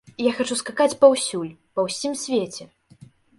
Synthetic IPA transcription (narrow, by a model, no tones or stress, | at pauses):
jaxat͡ʂuskakat͡sʲpɐwsʲulʲpɐwsʲimsʲvʲet͡sʲɛ